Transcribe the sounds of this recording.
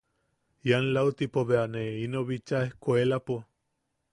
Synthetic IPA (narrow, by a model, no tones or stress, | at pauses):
janlawt̪ipoβeaneinoβit͡ʃaehkʷelapo